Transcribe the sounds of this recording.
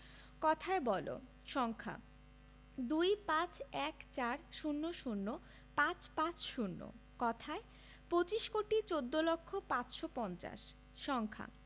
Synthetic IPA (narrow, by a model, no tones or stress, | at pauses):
kɔt̪ʰaebɔlo̰ | ʃɔŋkʰa̰ | d̪ujpãt͡ɕɛkt͡ɕaɾʃunːoʃunːo | pãt͡ɕpãt͡ɕʃunːo̰ | kɔt̪ʰae | pot͡ɕiʃkoʈit͡ɕod̪ːolokʰːopãt͡ɕʃopɔnt͡ɕa̰ʃ | ʃɔŋkʰa̰